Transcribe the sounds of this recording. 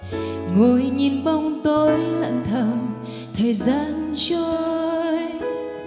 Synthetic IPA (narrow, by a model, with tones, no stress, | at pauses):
ŋo˨˩jɲi˨˩nɓa˧wŋ͡mt̪o˧jlə̰˧˨nt̪ʰə˨˩n | t̪ʰəː˨˩jzaː˧nt͡ɕo˧j